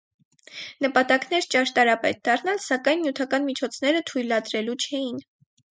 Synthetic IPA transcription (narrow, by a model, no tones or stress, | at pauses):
nəpɑt̪ɑknɛɾt͡ʃɑʃt̪ɑɾɑpɛt̪̚d̪ɑrnɑlsɑkɑjnmjut̪ʰɑkɑnmit͡ʃʰɔt͡sʰn̪ɛɾət̪ʰujlɑd̪ɾɛlut͡ʃʰɛjin